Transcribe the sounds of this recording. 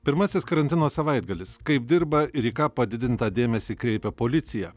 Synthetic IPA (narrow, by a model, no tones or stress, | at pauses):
pʲɪɾmɐsʲɪskɐɾɐnʲt̪ʲɪnoːsɐʋɐɪd̪ɡɐlʲɪskɐɪp̚d̪ʲɪɾbɐɪɾiːkɑːpɐd̪ʲɪd̪ʲɪnt̪ɑːd̪ʲeːmʲɛsʲiːkɾʲɛɪpʲɛpoːlʲɪt̪sʲɪjɛː